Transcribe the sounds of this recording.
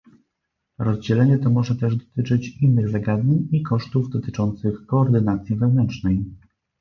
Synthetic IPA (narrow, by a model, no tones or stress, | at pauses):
ɾɔzd͡ʑɛlɛɲɛt̪ɔmɔʐɛt̪ɛʐd̪ɔt̪ɘt͡ʂɘt͡ɕinːɘɣzaɡad̪ɲeɲikɔʂt̪uvd̪ɔt̪ɘt͡ʂɔnt̪sɘxkɔːɾd̪ɘnat̪sʲjivɛvnɛnt͡ʂnɛj